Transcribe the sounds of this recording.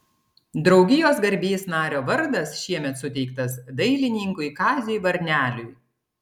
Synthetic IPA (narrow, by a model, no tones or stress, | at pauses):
d̪ɾɒʊɡʲɪjoːsɡɐɾʲbʲiːsnɑːɾʲoːʋɐɾd̪ɐsʃʲiɛmʲɛt̪sʊt̪ʲɛɪk̚t̪ɐsd̪ɐɪlʲɪnʲiɪŋkʊɪkɑːzʲʊjʋɐɾʲnʲæːlʲʊj